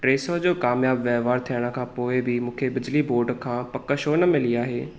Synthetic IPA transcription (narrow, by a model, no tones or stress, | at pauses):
ʈɾeːsəd͡ʑoːkaːmjaːbʋjɛːʋaːɾt̪ʰiəɽ̃əkʰãːpoːɪbʱimũːkʰebɪd͡ʑliboːɾɖkʰãːpɐkəʃoːnɐmɪliaːɦeː